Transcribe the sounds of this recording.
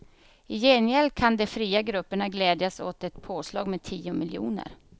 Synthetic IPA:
ɪjɛnɪɛlkʰand̪ɛfɾiːaɡɾɵpːəɳaɡlɛːd̪jasot̪ɛt̪pʰoːslɑ̰ːɡmeːt̪ʰiːʊmɪljṵːnə̰ɾ

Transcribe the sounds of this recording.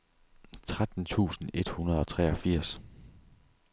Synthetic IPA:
t͡sʰʁad̥n̩t͡sʰṵːsn̩e̝d̥hunɐð̞ˠɒ̽t͡sʰʁɛɒfiɐ̰s

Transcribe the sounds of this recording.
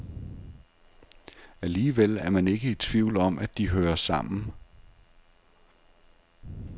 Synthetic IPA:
æliːʋel̰æɐmæne̝ɡ̥əit͡sʰʋiʊ̰lɒ̽mæd̥iɦøːɐsɑ̈m̰n̩

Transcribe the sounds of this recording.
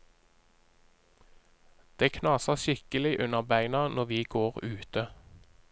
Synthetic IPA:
d̪̥eːkʰnɑːsəʃɪkəlɪʔʉnəʁbæɪnɑnɔʋiːɡoːʁʉːt̪ə

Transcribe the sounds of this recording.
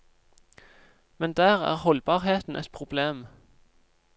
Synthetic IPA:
mɛnd̪æːʁæ̰ːʁhɔlbɑːʁheːt̪n̩ʔɛt̪̚pʰʁʊbleːm

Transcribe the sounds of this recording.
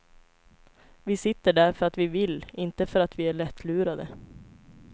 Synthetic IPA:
vɪsɪt̪ːəɖæɾfœɾat̪ʋɪvɪlːɪnt̪əfœɾat̪ʋɪːæɭɛt̪ʰːlʉːɾad̪ə

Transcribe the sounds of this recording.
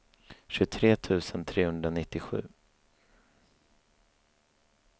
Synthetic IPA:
ɕɵt̪ʰɾeːt̪ʰʉ̟ːsənt̪ʰɾeːhɵnd̪ɾanɪt̪ːɪɧʉ̟ː

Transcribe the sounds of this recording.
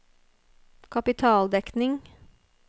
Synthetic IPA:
kʰɑpɪt̪ʰɑːld̪ɛknɪŋ

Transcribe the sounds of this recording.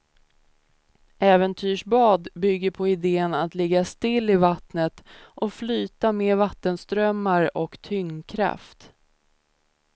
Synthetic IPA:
ʔɛːvənt̪ʰyːʂbɑːd̪bʏɡːəɾpʰɔɪd̪eːənat̪lɪɡːast̪ɪlːɪvat̪nət̪ʔɔflyːt̪ameːvat̪ːənst̪ɾœmːaɾɔkt̪ʰʏŋkʰɾa̰ft̪

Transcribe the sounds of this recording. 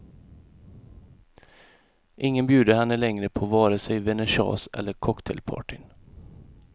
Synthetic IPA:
ʔɪŋːənbjʉːd̪əhɛnːəlɛŋɾəpʰoːvɑːɾəsɛjvɛnɛʂɑ̰ːsʔɛ̰lːəɾkʰɔkt̪ʰɛ̰lpʰɑ̰ːʈɪn

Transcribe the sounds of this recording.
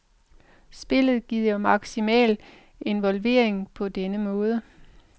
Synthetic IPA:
sb̥e̝lð̞̩ˠɡ̥ið̰ˠjɒmɑ̈ɡ̥simɛ̰ːl | e̝nʋɒ̽lʋe̝ːɐ̰e̝ŋpʰɒ̽d̥enəmɔ̽ːð̞ˠə

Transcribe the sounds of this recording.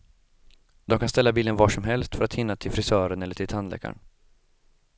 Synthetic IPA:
d̪ɔmkʰanst̪ɛlːabiːlənvɑːʂɔmɦɛlst̪fœɾat̪hɪnːat̪ʰɪlfɾɪsœːɾənɛlːəʈʰɪlt̪ʰanlɛ̰ːka̰ɳ

